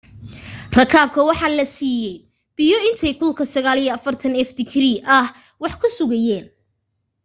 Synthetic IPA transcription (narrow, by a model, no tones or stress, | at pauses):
rɐkʰaːb̚kʰɐwɑħɑːlɐsiːjɛj | b̥ɪjɔɪnt̪ʰɛjkʰʊlkʰɐsɐɣaːlijɐɐfɐrt̪ʰɐnɛfd̪ɪkʰɾiːʔɐh | wɑħkʰʊsʊɣɐjɛːn